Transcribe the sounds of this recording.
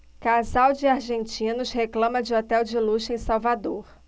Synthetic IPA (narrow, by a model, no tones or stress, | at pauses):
kazawd͡ʒɪaɾʒẽnt͡ʃĩnʊsheklɐ̃mɐd͡ʒɪɔt̪ɛwd͡ʒɪluʃẽj̃sawvad̪oɾ